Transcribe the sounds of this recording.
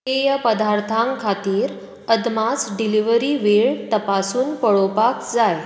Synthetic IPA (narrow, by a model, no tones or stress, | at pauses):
ejapəd̪aɾt̪ʰãŋkʰat̪iːɾ | əd̪mat͡sɖiliʋəɾiːʋeɭt̪əpasuːnpəɭopakd͡zaj